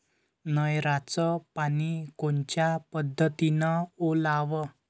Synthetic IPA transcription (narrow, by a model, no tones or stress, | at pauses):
nəjɾat͡sɔpanikont͡ɕjapəd̪ʱːət̪inaolaʋə